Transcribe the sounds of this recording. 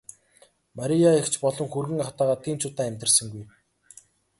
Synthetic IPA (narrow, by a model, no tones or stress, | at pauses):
maɾʲijaekt͡ɕpɔɮɞ̆ŋxurɣɘ̆ŋaχt̪aːʁaːt̪ʰiːmt͡ɕʰʊːt̪aːæmʲt̪ʲɘ̆rsə̆ŋɡuj